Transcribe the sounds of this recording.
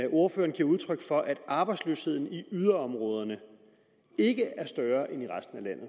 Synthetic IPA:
o̝ɐføːɐnɡ̥iɐuð̞ˠt͡sʰʁœɡ̥fɒ̽ʔæd̥ɑ̈ːb̥ɑ̈ɪdslø̰ːshe̝ð̞̰ˠn̩iyð̞ˠɐɒ̽mʁɔ̽ːð̞ˠɐnə | e̝ɡ̥əæɐsd̥ɶːɐʔeniʁasd̥n̩ælæn̰ð̩ˠ

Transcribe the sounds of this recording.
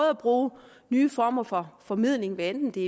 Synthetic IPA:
ð̩ˠæb̥ʁuː | nyːfɒːmɐfɒ̽fɒ̽mið̰ˠle̝ŋʋeend̥n̩d̥e̝

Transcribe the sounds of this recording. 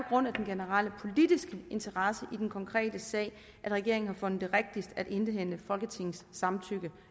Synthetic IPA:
ɒ̽ɡ̥ʁɔ̽n̰æd̥enɡ̥e̝nəʁal̰əpʰo̝lid̥isɡ̥əe̝nt͡sʰɐʁɑ̈səʔid̥enkʰɒ̽ŋkʰʁɛ̰ːd̥əsɛ̰ːɪ | ʔæd̥ʁɛɡ̥e̝ɐ̰eŋn̩hɑ̈fɔ̽nð̩ˠd̥e̝ʁɛɡ̥̚d̥isd̥æd̥e̝nd̥əɦen̰əfɒ̽lɡ̥ət͡sʰe̝ŋ̰n̩sːɑ̈mt͡sʰyɡ̥ə

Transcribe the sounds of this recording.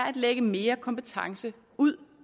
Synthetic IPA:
ɐæd̥leɡ̥əme̝ːɐkʰɒ̽mpət͡sʰɑ̈ŋsə | uð̞̰ˠ

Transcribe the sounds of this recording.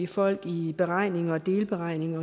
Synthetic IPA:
ifɒ̽l̰ɡ̥ib̥e̝ʁɑ̈ɪ̰ne̝ŋɐːd̥e̝ːlb̥e̝ʁɑ̈ɪ̰ne̝ŋɐ

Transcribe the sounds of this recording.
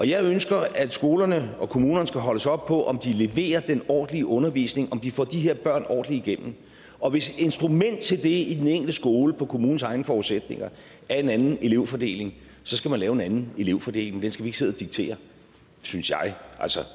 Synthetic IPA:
ʔɒ̽jɑ̈ɪønsɡ̥ɐæd̥sɡ̥o̝ːlɐnəɒ̽kʰo̝muːnɐnsɡ̥æɦɒ̽ləsɒ̽b̥̚pʰɒ̽ʔɒ̽md̥ile̝ʋe̝̰ːɐd̥enɒ̰ːd̥n̩liəʔɔ̽nɐʋḭːsne̝ŋɒ̽md̥ifɒ̰ːd̥iɦeɐ̰b̥ɶɐ̰nɒ̰ːd̥n̩liiɡ̥en̰m̩ | ɒ̽ʋe̝sd̥e̝nsd̥ʁumen̰d̥̚t͡sʰe̝ld̥e̝id̥eneŋ̰ɡ̥ld̥əsɡ̥o̝ːləpʰɒ̽kʰo̝muːn̩sɑ̈ɪnəfɒuðˠsed̥ne̝ŋɐ | æɐe̝nænn̩e̝le̝ʊ̰fɒd̥e̝̰ːle̝ŋ | sɒ̽sɡ̥æmænlɛːʊenænn̩e̝le̝ʊfɒd̥e̝̰ːle̝ŋmend̥ensɡ̥æʋie̝ɡ̥se̝ðˠɐd̥iɡ̥̚t͡sʰe̝̰ːɐ | synsjɑ̈ɪʔælsɒ

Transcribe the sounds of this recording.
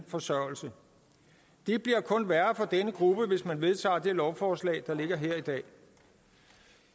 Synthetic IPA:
fɒ̽sɶɐ̰l̩sə | d̥eb̥liɐkʰɔ̽nʋæɐfɒ̽d̥enəɡ̥ʁub̥əʋe̝smænʋe̝ðˠt͡sʰɑ̰̈ːd̥e̝lɒʊfɒːslɛ̰ːd̥ɑ̈le̝ɡ̥ɐɦeɐ̰id̥ɛ̰ː

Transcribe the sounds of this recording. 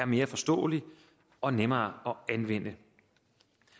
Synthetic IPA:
æɐme̝ːɐfɒ̽sd̥ɔ̰̽ːəli | ɒ̽nemɐːɒ̽ænʋen̰ə

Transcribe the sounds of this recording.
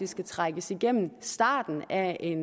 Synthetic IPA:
isɡ̥æt͡sʰʁɑɡ̥əsiɡ̥em̰m̩sd̥ɑ̈ːd̥n̩æʔe̝n

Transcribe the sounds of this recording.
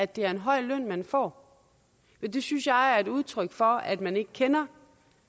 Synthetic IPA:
æd̥e̝æɐe̝nɦɒ̽ɪ̰løn̰mænfɒ̰ː | med̥e̝synsjɑ̈ɪæɐe̝duð̞ˠt͡sʰʁœɡ̥fɒ̽æd̥mæne̝ɡ̥kʰenɐ

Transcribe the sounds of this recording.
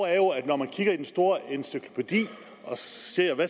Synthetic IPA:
æɐjo̝æd̥nɒmænkʰiɡ̥ɐid̥ensd̥o̝ːɐensykʰlo̝pʰe̝d̥ḭː | ɒ̽siɐjʋæ

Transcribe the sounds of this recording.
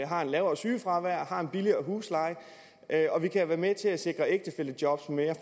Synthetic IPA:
ɦɑ̈e̝nlɛːʊɐsyːfʁɑ̈ʋæɐ̰hɑ̈e̝nb̥iliɐːɦuːslɑ̈ɪ | ʔøɒ̽ʋikʰæʋæːɐmet͡sʰe̝læse̝ɡ̥ʁɐeɡ̥̚d̥əfel̰əd̥jɒ̽b̥smeːɐ

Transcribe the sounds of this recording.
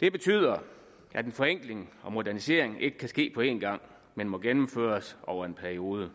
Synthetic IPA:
d̥e̝b̥e̝t͡sʰy̰ːð̰ˠɐ | ʔæd̥enfɒ̽eŋ̰ɡ̥le̝ŋɒ̽mo̝dæɐnise̝ɐ̰eŋe̝ɡ̥ə̥kʰæsɡ̥e̝̰ːpʰɒ̽e̝̰ːnɡ̥ɑ̈ŋ̰ | menmɒ̽ɡ̥enm̩fø̰ːɐsʔɒʊ̰ɐe̝npʰæɐio̝ːð̞ˠə

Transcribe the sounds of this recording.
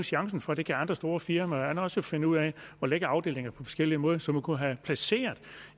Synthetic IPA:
ɕɑ̈ŋsn̩fɒ̽æd̥e̝ɡ̥əɑ̈nd̥ʁɐsd̥o̝ːɐfiɐmæænɒ̽sofe̝nəuð̰ˠɛɒ̽leɡ̥əɑ̈ʊd̥e̝̰ːle̝ŋɐpʰɒ̽fɒ̥̽sɡ̥el̰iəmɔ̽ːð̞ˠsɒ̽mukʰuɦæpʰlæse̝̰ːɐðˠ

